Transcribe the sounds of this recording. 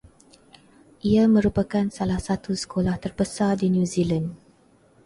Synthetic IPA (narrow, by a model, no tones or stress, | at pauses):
ʔiamə̃ɾupakansalahsat̪usə̥kʰolaht̪ərbəsadinjũzilan